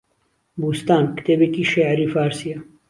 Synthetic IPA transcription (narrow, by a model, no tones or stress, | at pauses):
buːst̪aːnkt̪eːbekiːʃeʕɾiːfaːɾsija